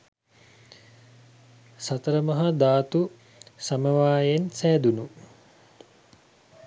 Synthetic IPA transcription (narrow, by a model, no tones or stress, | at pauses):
sɐt̪əɾəmɐɦɐd̪aːt̪u | samɐʋaːjensæːd̪unu